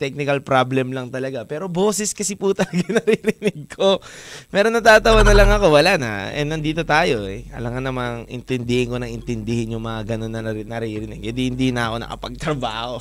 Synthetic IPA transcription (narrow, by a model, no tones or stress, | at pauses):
t̪ɛk̚nɪkɐlpɾablɛmlɐŋt̪ɐlɐɡapɛːɾo̞bo̞ːsɪskɐsiput̪ɐlɐɡanɐɾiɾɪnɪɡ̚kʰo̞mɛːɾonːɐt̪aːt̪ɐwɐnɐlɐŋɐko̞wɐlana̰ʔɛ̰nɐnd̪iːt̪o̞t̪aːjo̞ʔɛɐ̰lɐŋanɐmaŋʔɪ̰nt̪ɪnd̪ɪhɪŋko̞nɐŋɪnt̪ɪnd̪ɪhɪnjʊŋmɐŋaɡɐno̞nːɐnnɐɾiɾɪnɪɡ̚kɐd̪ihɪnd̪inɐʔɐko̞nɐ̰kɐ̰pɐ̰ɡ̚t̪ɾɐbaːho̞